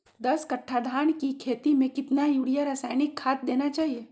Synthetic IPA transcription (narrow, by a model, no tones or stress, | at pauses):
d̪ɐskɐʈʰːad̪ʱaːnkikʰeːt̪imẽkɪt̪najuːɽijaɾaːsaːɪnɪkʰːaːt̪̚d̪eːnat͡ʃaːɦieː